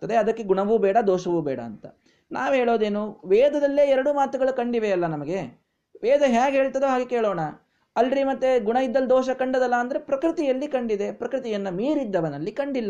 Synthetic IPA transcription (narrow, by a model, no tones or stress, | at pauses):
t̪ɐd̪e̞ɐd̪ɐkːe̞ɡuɳɐʋubɛːɽɐd̪ɔːʃɐʋubɛːɽɐ̰ːnt̪ɐ̰ | naːʋɦeːɭoːd̪e̞ːnuʋɛːd̪ʱɐd̪ɐlːeːɛɾɐɽumaːt̪uɡɐɭukɐɳɖiʋeɐlːɐnɐmɐɡe̞ | ʋɛːd̪ɐɦaːɡɦeːɭt̪ɐd̪uːɦaːɡekeːɭoːɳɐ | ɐlːɾimɐt̪ːeɡuɳɐjid̪ːɐld̪ɔːʃ̬ɐkɐɳɖɐd̪ɐlːɐːnd̪ɐɾepɾɐkɾit̪ijɐlːikɐɳɖid̪epɾɐkɾit̪ijɐnːɐmiːɾid̪ːɐʋɐnɐlːikɐɳɖilːɐ